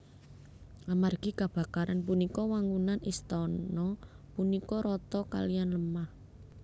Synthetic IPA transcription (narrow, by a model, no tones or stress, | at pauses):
amarɡ̥i̤kab̥a̤kaɾanp̬unikɔwaŋunanist̪ɔnɔ | punikɔɾɔt̪ɔka̰lijanləmah